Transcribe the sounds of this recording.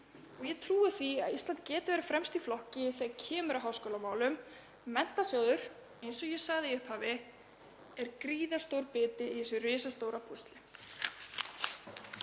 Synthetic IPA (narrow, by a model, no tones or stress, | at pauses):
ɔɣjɛt̪ʰɾuːɪθia̰ðist̪ant̪cɛːt̪ɪvɛːɾɪfɾɛmst̪iflɔhcɪθɛcʰɛːmʏɾaɦaːwskowlamaːwlʏm | mɛn̥t̪asjɔːwðʏɾ̥ | ejnsɔjɛsaɣðɪʏhphaːvɪ | ɛɾkɾiːðast̪owɾpɪːt̪ɪiθɛsʏrɪːsast̪oːwɾapʰust̪lɪ